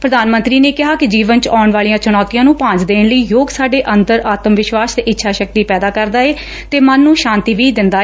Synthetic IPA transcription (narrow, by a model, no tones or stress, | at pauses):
pɾəd̪aːnmə̃nt̪ɾiːneːkɪɦaːkɪd͡ʒiːʋənt͡ʃaːɳʋaːliːjãːt͡ʃʊñɔːt̪ijãːnũːpãːɲd͡ʒd̪eːɳləiːjoːɡsaːɖeːʔənd̪əɾaːt̪əmʋɪʃʋaːst̪eɪtːʃʰaːʃək̚t̪iːpɛːd̪aːkəɾd̪aːeː | t̪eːmənːũːʃãːnt̪iːʋiːd̪ɪnd̪aː